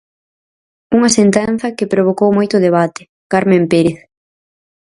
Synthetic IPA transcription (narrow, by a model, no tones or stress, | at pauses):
uŋɐsent̪ɛn̟θɐkɪpɾoβ̞okowmojt̪ʊðeβat̪ɪ̥ | kaɾmẽmpeɾeθ